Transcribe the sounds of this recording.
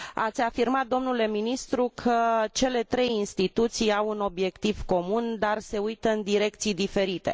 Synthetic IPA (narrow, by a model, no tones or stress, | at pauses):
a̰t̪sʲafirmat̪̚d̪o̞mnule̞minist̪ɾukʰət͡ʃe̞le̞t̪ɾe̞jinst̪it̪ut̪sijawuno̞bje̞kt̪ivko̞mund̪arse̞ujt̪əɨnd̪iɾe̞kt̪sijd̪ife̞ɾit̪e̞̰